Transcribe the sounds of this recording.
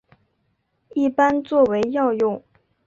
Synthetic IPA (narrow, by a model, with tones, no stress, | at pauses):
i˥˩pa˥nt͡swɔ˥˩we˧˥ɪjɑ˥˧ʊjʊ˥˩ŋ